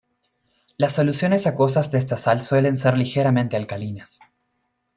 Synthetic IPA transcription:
lasːo̞lusjo̞ne̞sako̞s̬azðees̬t̪asalswe̞le̞nse̞ɾlixeɾamẽnt̪ealkalinas

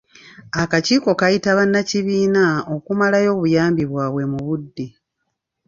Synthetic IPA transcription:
akaciːko̞kajitaβanːaciβiːnao̞kumalajo̞ːβujaːmbiβwaːβwe̞muβudːi

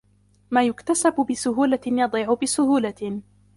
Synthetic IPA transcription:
maːjʊkt̪asabʊbɪsʊɦuːlajɑd̪ˤiːʕʊbɪsʊhuːla

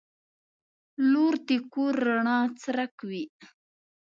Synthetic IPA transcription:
luɾt̪ikuɾːaɳɑːt͡sɾakwi

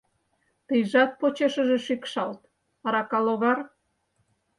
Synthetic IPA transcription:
t̪əjʒɑt̪̚pot͡ɕeʃə̆ʒĕʃikʃɑlt̪ | ɑɾɑkɑloɣɑr

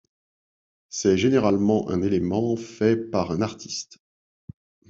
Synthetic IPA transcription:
sɛʒeneʁalmɑ̃ʔɛ̰̃nelemɑ̃fɛpaʁɛ̃naʁt̪ʰi̥st̪

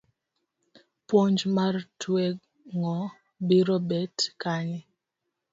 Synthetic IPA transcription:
pwɔɲd͡ʒmartwɛ | ŋɔ | biɾɔbɛtkani

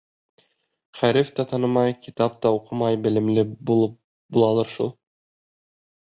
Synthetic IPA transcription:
χæɾɘft̪ɑt̪ɑnɤmɑjkit̪ɑp̚t̪ɑuqɤmɑjbɘ̆lɘ̆mlɘbu | bulˠɑlˠɑɾʃulˠ

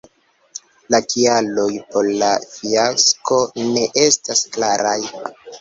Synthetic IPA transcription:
lakialo̞jpo̞ɾlafiasko̞ne̞ʔe̞stasklaɾaj

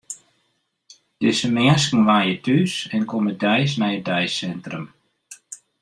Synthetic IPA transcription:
d̥ɪsəmɛːəskn̩ʋaːjətʰysɛnkomədɛjsnɛjədɛjsːɛntrəm

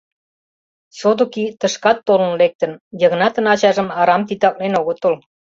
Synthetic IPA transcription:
sod̪okit̪ə̆ʃkɑt̪ːolə̆nlek̚t̪ə̆njə̆ɣnɑt̪ə̆nɑt͡ɕɑʒə̆mɑɾɑmt̪it̪ɑk̚lenoɣot̪ol

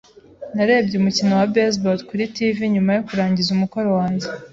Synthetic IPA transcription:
naɾe̞ːbɟeumucinowabes̬botkuɾitiviɲumajokuɾaːɲɟizumuko̞ɾo̞waːɲɟe

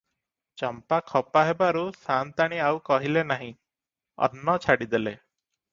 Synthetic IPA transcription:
t͡ʃɔmpakʰɔpaɦebaɾusant̪aɽ̃iawkɔɦilenaɦĩ | ɔ̰nːɔt͡ʃʰaɽid̪ele

